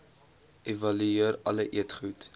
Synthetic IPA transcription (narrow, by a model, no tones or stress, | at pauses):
ʔevɐlyiərɐləʔiətχut